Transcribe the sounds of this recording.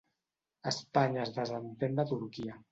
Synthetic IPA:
əspaɲaːzðəzənt̪end̪ət̪uɾkia

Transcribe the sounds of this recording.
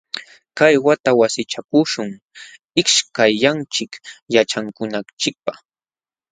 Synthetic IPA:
kajwat̪awasɪt͡ʃakʊʃʊŋ | ɪkʃkajːant͡ʃɪkjat͡ʃaŋkʊnat͡ʃɪk̚pa

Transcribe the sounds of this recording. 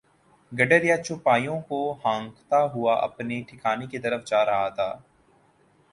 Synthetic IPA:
ɡɐɖəɾjat͡ʃʊpaːjõkohãːŋkt̪aɦʊaʔɐ̰pneʈʰɪkaːneket̪ɐɾəfd͡ʒaːɾɐɦat̪ʰaː

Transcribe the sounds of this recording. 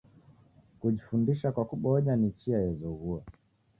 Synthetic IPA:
kuʄifundiʃakwakuɓɔʄanit͡ʃiajɛzɔɣua

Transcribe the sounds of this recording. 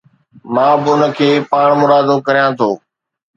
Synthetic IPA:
mãːbɪʊnə̆kʰeːpaːɳ̃mʊɾaːd̪okɐɾijãt̪ʰoː

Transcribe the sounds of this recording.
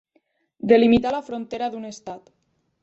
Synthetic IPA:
d̪elimit̪alafɾont̪eɾaðunest̪at̪

